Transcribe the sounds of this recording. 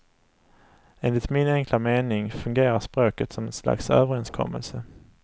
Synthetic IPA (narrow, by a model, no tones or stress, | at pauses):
eːnlɪt̪mɪnɛŋklameːnɪŋfɵŋɡeːɾaʂpɾoːkət̪sɔmɛnsla̰ksøːvəɾɛnskʰɔ̰mːə̰lsə